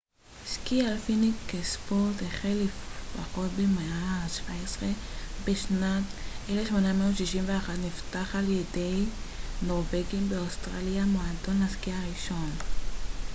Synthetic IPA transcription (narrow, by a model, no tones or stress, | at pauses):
ʃkialfinikkespoʁt̪eχelefbaχot̪bemeaʃv̥aesʁebeʃnateleʃmo̞nameotʃiʃimveaχat̪niftaχaljedejnoʁveɡimbeost̪ʁaljamoado̞naskiaʁiʃo̞n